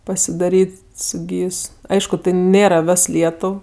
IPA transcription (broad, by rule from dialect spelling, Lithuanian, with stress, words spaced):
pɐsʲɪˈdɑːrʲiːtʲ sʊ ˈɡʲiːs ˈɐɪʃkʊ tɐɪ ˈnʲeːrɐ ˈʋʲɛs ˈlʲiɛtʊw